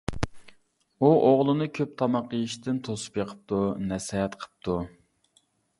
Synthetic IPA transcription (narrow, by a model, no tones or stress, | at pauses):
uʔoʁlˠɨnɨkʲʰøp̚t̪ʰɑmɑqijiʃt̪ɪnt̪ʰosɨ̥pjeqʰə̥p̚t̪ʰunɛsɑɦɛt̪qʰə̥p̚t̪ʰu